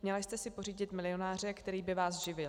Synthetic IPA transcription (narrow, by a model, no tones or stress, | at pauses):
mɲɛlajst̪ɛsɪpo̞riːɟɪt̪mɪlɪo̞naːr̝ɛkt̪ɛɾiːbɪvaːsʒɪvɪl